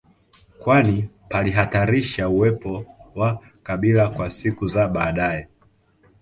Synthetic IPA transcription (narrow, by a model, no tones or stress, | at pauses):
kwani | paliɦataɾiʃauwɛpɔwa | kaɓilakwasikuzaɓaːɗaɛ